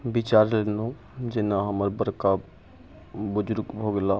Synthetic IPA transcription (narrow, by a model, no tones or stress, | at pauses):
bɪt͡ʃaːɾlenõ | d͡ʒɪnãɦəməɾbəɾka | bʊd͡ʒʊɾɡbʱoːɡlaː